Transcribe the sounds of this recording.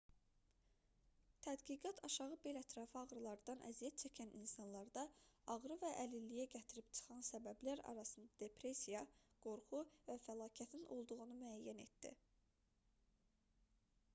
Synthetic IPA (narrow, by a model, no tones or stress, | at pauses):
t̪ʰæd̪ɡiɡɑt̪ʰɑʃɑʁɯbelæt̪ʰɾɑːfɯɑɣɾɯlˠɑɾd̪ɑnʔæ̰zijæt̪̚t͡ʃʰæcʰæninsɑnlˠɑɾd̪ɑɑʁɾɯvæʔælilːijæɟæt̪ʰiɾipt͡ʃʰɯ̥χɑnsæbæblæɾɑ̰ɾɑsɯnd̪ɑd̪e̞pʰɾe̞sijɑɡ̥o̞ɾχuvæfælˠɑːcʰæt̪ʰinʔo̞̰lˠd̪uɣunumyæjːæne̞t̪̚d̪̥ḭ